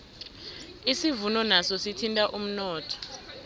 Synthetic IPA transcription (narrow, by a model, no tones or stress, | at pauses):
isivunɔnasɔsitʰintʼaʔum̩nɔːtʰɔ̥